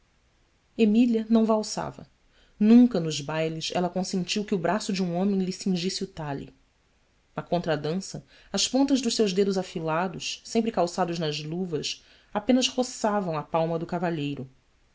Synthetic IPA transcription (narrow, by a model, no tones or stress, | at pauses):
emiliɐnɐ̃w̃vawsa̰vɐ̰ | nũŋkɐnʊzbajlɪʃɛ̰lɐkõsẽnt͡ʃiwkɪʊbɾasʊd͡ʒiũõmẽj̃lɪsĩŋʒisɪʊt̪aʎɪ̰ | nɐkõnt̪ɾɐd̪ɐ̃sɐ | ɐspõnt̪ɐʒd̪ʊʃsewʒd̪ed̪ʊzafilad̪ʊʃsẽmpɾɪkawsad̪ʊznɐzluvɐs | apẽnɐzhosavɐ̃w̃ɐpawmɐd̪ʊkavaʎejɾʊ